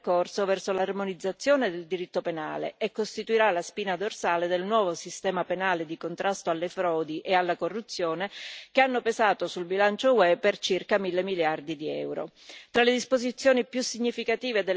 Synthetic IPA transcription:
korsovɛrsolarmonid̪zːat̪sːjoːned̪eld̪iɾit̪ːopena̰ːlḛekːost̪it̪uiɾalaspiːnad̪orsaːled̪elnwɔːvosist̪ɛːmapenaːled̪ikont̪ɾʔast̪oalːefɾɔːd̪iʔealːakorːut̪sːjoːnekeanːopezaːt̪osulbilant͡ʃowɛpːert͡ʃirkamilːemiljard̪id̪iɛ̰wɾo̰ | t̪ɾaled̪ispozit̪sːjoːnipjusːiɲːifikat̪iːved̪e

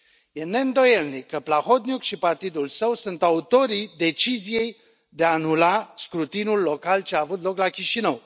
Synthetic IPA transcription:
jene̞ɨnd̪o̞jelnikːəplaxo̞t̪nʲukʃipart̪id̪ulsəwsunt̪aut̪o̞ɾid̪e̞t͡ʃizije̞j | d̪eaːnulaskɾut̪inulːo̞kalt͡ʃeaːvut̪lo̞klakʲiʃinəw

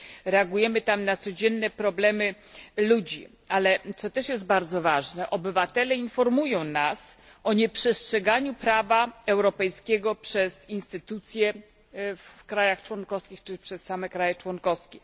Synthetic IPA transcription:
ɾɛaɡujɛmɘt̪amnat̪sɔd͡ʑɛnːɛpɾɔblɛmɘlud͡ʑi | alɛt̪sɔt̪ɛʂjɛst̪̚baɾd̪zɔvaʐnɛʔɔbɘvat̪ɛlɛinfɔɾmujɔ̃w̃nasɔɲɛpʂɛstʂɛɡaɲupɾavaɛwɾɔpɛjskʲɛɡɔpʂɛz̥inst̪ɘt̪ut̪sʲjɛ | fkɾajaxt͡ʂwɔnkɔfskʲixt͡ʂɘpʂɛsːamɛkɾajɛt͡ʂwɔnkɔfskʲɛ

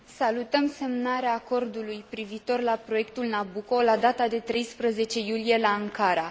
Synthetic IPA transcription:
salut̪əmse̞mnaɾeaːko̞rd̪ulujpɾiviːt̪o̞rlapɾo̞je̞kt̪ulnabuko̞lad̪at̪ad̪e̞t̪ɾe̞jspɾəze̞t͡ʃe̞julije̞laaŋkaɾa

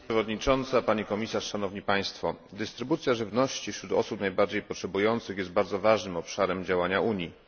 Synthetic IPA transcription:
ɛvɔd̪ɲit͡ʂɔnt̪sapaɲikɔmʲisaʂʂanɔvɲipaj̃st̪fɔd̪ɘst̪ɾɘbut̪sʲjaʐɘvnɔɕt͡ɕifɕɾut̪ɔ̰supnajbaɾd͡ʑejpɔtʂɛbujɔnt̪sɘxjɛst̪̚baɾd̪zɔvaʐnɘmɔpʂaɾɛmd͡ʑawaɲaʔuɲji

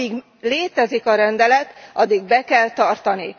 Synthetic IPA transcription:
iɡ | leːt̪ɛzikɒɾɛnd̪ɛlɛt̪ɒd̪ːiɡ̚bɛkɛlt̪ɒrt̪ɒni

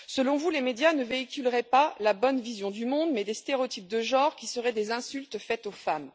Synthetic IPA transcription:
səlɔ̃vulemed̪janəveikʲylʁɛpalabɔnvizjɔ̃d̪ymɔ̃d̪mɛd̪est̪eʁeot̪ip̚d̪əʒɑ̃ʁkʲisəʁɛd̪ezɛ̃sylt̪fɛt̪ofam

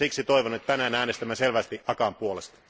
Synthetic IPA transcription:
iksit̪oiʋonet̪tænæːnæːnest̪æmːæselʋæst̪iʔɑkɑmpuolest̪ɑ̥

